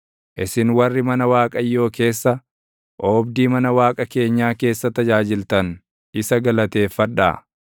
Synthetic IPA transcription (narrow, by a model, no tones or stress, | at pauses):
ʔɪsɪnwɐrːɪmɐnɐwaːkʼɐjːo̞ːke̞ːsːɐ | ʔoːbd̪iːmɐnɐwaːkʼɐke̞ːɲːaːke̞ːsːɐt̪ɐd͡ʒaːd͡ʒɪlt̪ɐn | ɪsɐɡɐlɐt̪e̞ːfːɐᶑːa̰ː